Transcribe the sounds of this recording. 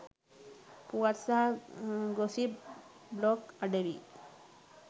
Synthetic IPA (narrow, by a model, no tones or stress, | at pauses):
puaɾsa | ɡosi | blɔkaɖeʋḭ